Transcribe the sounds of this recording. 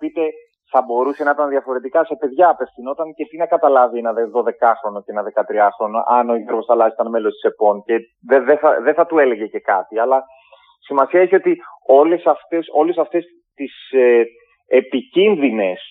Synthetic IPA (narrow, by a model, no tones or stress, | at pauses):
pit̪e̞ | θɐbo̞ɾuse̞nɐit̪ɐnðiɐfo̞ɾe̞t̪ikɐse̞pe̞ðʝɐːpe̞fθino̞t̪ɐnce̞t̪inɐkɐt̪ɐlɐvienɐðeðo̞ðe̞kɐxɾo̞no̞ceenɐðe̞kɐt̪ɾiɐxɾo̞no̰ʔɐnoieɾɣosθɐlɐzit̪ɐnme̞lost̪i̥se̞po̞nce̞ | ðeðeθɐðeθɐt̪ue̞le̞ʝe̞ce̞kɐt̪iɐlɐ | simɐsiɐeçio̞t̪io̞lesɐft̪eso̞le̞sɐft̪e̞s | t̪is | epicinðine̞s